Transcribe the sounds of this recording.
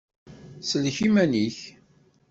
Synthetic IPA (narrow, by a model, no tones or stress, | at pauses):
səlçimæniç